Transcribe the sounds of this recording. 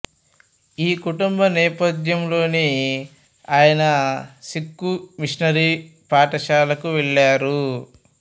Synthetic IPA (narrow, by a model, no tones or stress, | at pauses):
iːkuʈumbɐnɛːpɐd̪jɐmlo̞ːni | aːjɐnɐsikːumiʂnɐɾipaːʈɐʃaːlɐkuʋɛɭːaːɾu